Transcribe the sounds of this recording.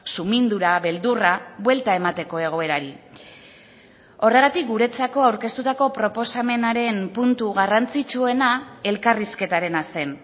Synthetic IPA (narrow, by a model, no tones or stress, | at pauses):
sumind̪uɾaβe̞ld̪uraβwe̞lt̪ae̞mat̪e̞ko̞e̞ɣ̞o̞e̞ɾaɾi | o̞re̞ɣ̞at̪ik̚ɡuɾe̞t͡sako̞awɾke̞st̪ut̪ako̞pɾo̞po̞same̞naɾe̞mpunt̪uɣarant͡sit͡ʃue̞nae̞lkariske̞t̪aɾe̞nase̞n